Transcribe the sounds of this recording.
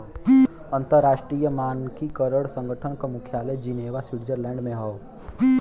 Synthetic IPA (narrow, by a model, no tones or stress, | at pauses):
ə̃nt̪əɾːaːʃʈɾiːjəmaːnkikəɾəɽsə̃ŋɡʱəʈʰənkamʊkʰjaːləjd͡ʒineːʋaswɪɽd͡ʒəɾlɛ̃ːɳɖmẽɦo